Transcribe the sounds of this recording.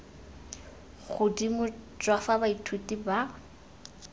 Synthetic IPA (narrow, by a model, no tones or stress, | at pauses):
ɣʊdimʊt͡ʃʼwafabaitʰutʼiba